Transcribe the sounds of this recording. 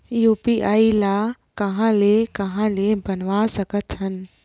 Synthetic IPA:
juːpiʔaːilaː | kɐɦãlekɐɦãlebɐnʋasɐkət̪ɦənɪ̆

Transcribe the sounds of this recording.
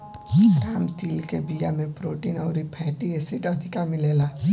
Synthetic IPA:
ɾaːmt̪iːlkebijamẽpɾoːʈiːnɔʊɾipʰɛːʈiesiʈəd̪ʱɪkamɪleːla

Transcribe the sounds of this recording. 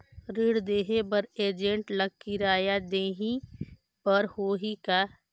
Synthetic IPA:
ɾɪɽd̪eːɦebɐɾeːd͡ʒẽɳʈləɡ̚kiɾaːjad̪eːɦĩ | pɐɾhoːɦika

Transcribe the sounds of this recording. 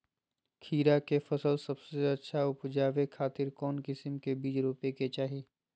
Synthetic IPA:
kʰiːɾakefɐsəlsɐbseɐtːʃʰaʊpd͡ʒaːʋekʰaːt̪ɪɾkɔːnkɪsɪmkebiːd͡ʒɾuːpeket͡ʃaːɦiː

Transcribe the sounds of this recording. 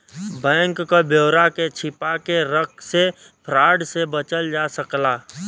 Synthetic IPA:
bɛ̃ːŋkːabjoːɾaket͡ʃʰɪpakeɾək̚ʰse | pʰɾaːɖsebət͡ʃəld͡ʒasəklaː

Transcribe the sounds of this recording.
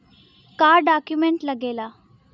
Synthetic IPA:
kaɾɖakjumeɳʈləɡela

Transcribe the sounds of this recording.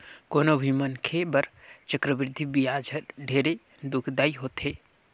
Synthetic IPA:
koːnobʱimənkʰebəɾt͡ʃəkɾəʋɪɾɪd̪ʱibiaːd͡ʒʱəɾɖʱeːɾe | d̪ʊkʰd̪aːiɦoːt̪ɦeː

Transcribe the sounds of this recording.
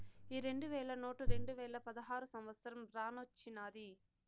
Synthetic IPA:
iːɾe̞ɳɖuʋɛːɭɐnoːʈɐɾe̞ɳɖuʋɛːɭɐpɐd̪ɐɦaːɾusɐmʋɐt̪sɐɾɐmɾaːnot͡ʃːinaːd̪i

